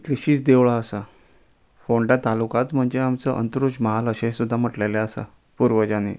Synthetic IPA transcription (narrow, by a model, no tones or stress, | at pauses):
t̪liɕiːt͡sd̪eʋɭaəsa | foɳɖat̪alukat̪m̤əɳd͡ʑeamt͡səʔə̰nt̪əɾut͡ɕməɦaləɕẽsud̪ʱːam̤əʈleleəsa̰ | puɾʋəd͡ʑanḛ